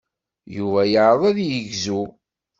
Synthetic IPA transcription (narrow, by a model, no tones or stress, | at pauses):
juvæjəʕɾəðˤæðjəʝzu